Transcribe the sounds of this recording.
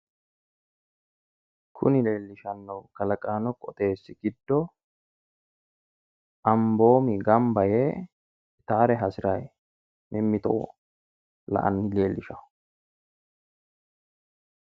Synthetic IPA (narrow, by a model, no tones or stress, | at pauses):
kʰʊ̰nɪle̞ːlːɪʃɐnːɐwkɐlɐkʼaːnɔkʼɔt̪ʼe̞ːsːɪɡ̥ɪd̪ːɔ | ʔɐmbo̞ːmɪɡɐmbɐjeː | t̪aːɾɛɦɐsɪɾɐj | mʔɪmːɪt̪ɔ̰ʔɔ̰ | lɐ̰ʔɐ̰nːɪle̞ːlːɪʃɐ